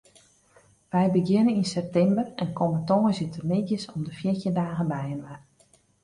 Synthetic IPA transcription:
ʋɛjbəɡɪnəninsɛp̚tɛmbərɛnkomətɔŋəsjətʰəmɪɡjəsɔmdəfjɪtjəndaːɣəbɛjənʋar

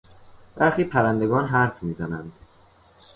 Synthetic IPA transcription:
b̥æɾxiːpʰæɾænd̪eɡɒːnɦæɾfmiːzænænd̪̥

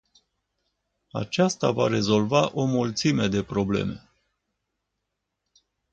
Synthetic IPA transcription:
a̰t͡ʃast̪a̰va̰ɾe̞zo̞lvaʔo̞mult̪sime̞d̪e̞pɾo̞ble̞̰me̞

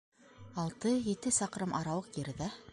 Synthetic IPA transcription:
ɑlˠt̪ɤjɘ̆t̪ɘsɑqɾɤmʔɑɾɑwɤqjiɾðæ

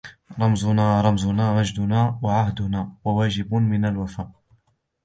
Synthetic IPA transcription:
ɾˤɑmzʊnaːɾˤɑmzʊnaːmad͡ʒd̪ʊnaːwaʕahd̪ʊnaːwawaːd͡ʒɪbʊmɪnalwafaːʔ

